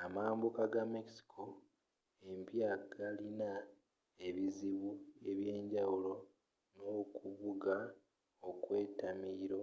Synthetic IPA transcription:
amaːmbukaɡame̞ksi̥kʰo̞ | e̞mpjaɡalina | eβiziβue̞βje̞ːɲɟawulo̞ | no̞kuβuɡa | okwe̞ːtamiɾo̞

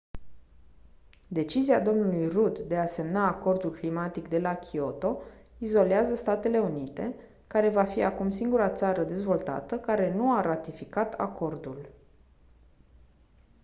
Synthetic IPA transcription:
d̪e̞t͡ʃiziad̪o̞mnulujrud̪ːe̞ase̞mnaːko̞rd̪ulklimat̪ikd̪e̞lakʲʰio̞t̪o̞ | izo̞leazəst̪at̪e̞le̞unit̪e̞ | kaɾe̞vafiakumsiŋɡuɾat̪saɾəd̪e̞zvo̞lt̪a̰t̪əkaɾe̞nuaɾat̪ifikat̪a̰ko̞rd̪ul

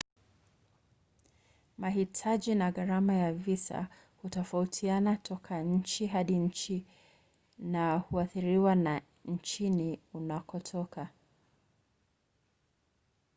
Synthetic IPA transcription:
maɦitʰaʄinaɠaɾamajavisa̰ | hutɔfautʰianatʰɔkʰaɲ̩t͡ʃiɦaɗiɲ̩t͡ʃi | nahuaθiɾiwana | ɲ̩t͡ʃiniunakɔtʰɔka

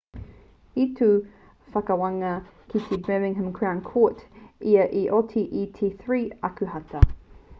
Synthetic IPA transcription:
itu | fɐkɐwɐŋɐkʰitʰibɛmɪ̃ŋɦə̃mkʰɹãnkʰoˑtiɐʔiʔotʰiʔitʰiθɹiːɐkʉhɐtʰɐ

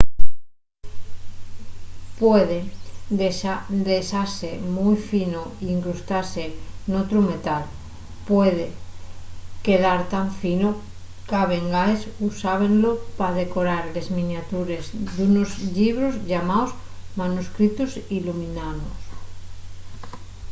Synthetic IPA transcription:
pweðed̪eʃad̪eʃaɾsemujfinoiiŋkɾust̪aɾsenot̪ɾume̞t̪al | pweð̞e | ke̞ðaɾt̪aɱfino | kaβe̞ŋɡaesusaβ̞e̞ŋlopað̞e̞koɾaɾle̞zmĩnjat̪uɾe̞zd̪unozʎiβ̞ɾozʎamaos | manuskɾit̪osilumĩnaðos

